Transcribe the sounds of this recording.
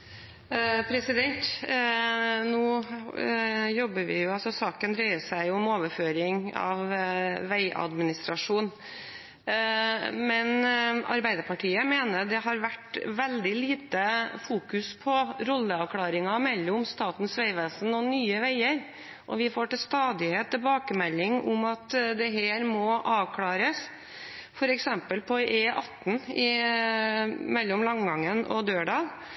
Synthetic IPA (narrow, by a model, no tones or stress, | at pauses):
pʰɾɛsɪd̪ɛnt̪ | nuː | jɔbːəʋɪ̰jʊɑlsɔsɑːkənd̪ɾœʏəʂæɪʊʊmoːʋəɾføːɾɪŋɑ̰ʋʋæɪʔɑ̰d̪mɪnɪst̪ɾɑʂuːn | mɛnɑ̰ɾbæɪd̪əɾpʰɑʈʰiːəmeːnəd̪ɛhɑɾʋæʈʋɛld̪ɪliːt̪əfuːkʉspʰɔɾɔlːəɑʋkʰlɑːɾɪŋɑmɛlːʊmst̪ɑːt̪n̩sʋæɪʋɛːsn̩ɔnyːəʋæɪəɾ | ʔɔʋɪfoːʈɪlst̪ɑːd̪ɪheːt̪ʰːɪbɑːkəmɛlːɪŋʊ̰mɑt̪d̪ɛɦeːɾmɔʔɑːʋkʰlɑːɾəs | fɔɾɛksɛmpəlpʰɔʔeːʔɑt̪ːn̩ɪ | mɛlːʊmlɑŋɡɑŋːənʔɔ̰d̪øːɖɑːl